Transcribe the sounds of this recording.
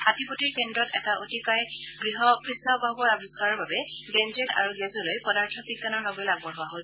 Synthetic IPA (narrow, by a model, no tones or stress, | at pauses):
atipotiɹkendɹɔtɛ̰taʔotikaj | ɡɹiɦɔkɹisnɔbʱabɔɹabisɡaɹɔɹbabɛ | ɡɛnd͡ʒeta̰ɹuɡɛzɔlojpɔdaɹtʰɔpikːanɔɹnɔbojlaɡ̚bɔɹɦɔwaɦos